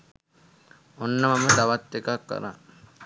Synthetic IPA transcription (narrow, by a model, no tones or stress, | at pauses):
onːəmɐməd̪aʋat̪ːekakːɐ̰ɾa̰